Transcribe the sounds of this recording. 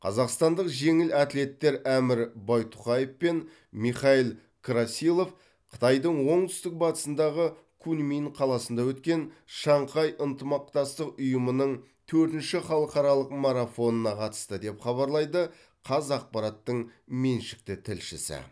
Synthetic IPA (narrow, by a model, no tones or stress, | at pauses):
qʰɑ̰zɑqst̪ɑnd̪əqʒe̞ŋɪlæt̪le̞t̪ːe̞ɾæmɪɾbɑjt̪ʰʊ̥qɑje̞fpe̞n | miχɑijlˠ | kʰɾasilˠo̞f | qʰə̥t̪ɑjd̪əɴwo̞ɴt̪ʰʏ̥st̪ɪk̚bɑt̪ə̥sənd̪ɑʁə | kʰunminqʰɑlˠɑsənd̪ɑwɵt̪kʲe̞nʃɑɴqʰɑjʔənt̪əmɑq̚t̪ɑst̪əqʊjəmənəɴ | t̪ʰɵɾt̪ɪnʃɪχɑlˠəqɑɾɑlˠəqmɑɾafo̞nənɑqʰɑt̪ə̥st̪əd̪e̞pχɑβɑɾlˠɑjd̪ə | qʰɑzɑq̚pɑɾɑt̪ːəɴme̞nʃɪ̥k̚t̪ɪt̪ʰɪlʃɪ̰sɪ̰